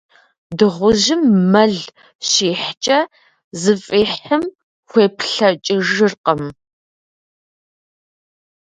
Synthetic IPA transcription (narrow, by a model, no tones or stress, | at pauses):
dɨʁʷʊʑɪmːɐɮ | ɕeːħt͡ʃʼɐ | zɨfʼeːħɨm | xʷeːpʰɬɐt͡ʃʼɪʒɨrqəm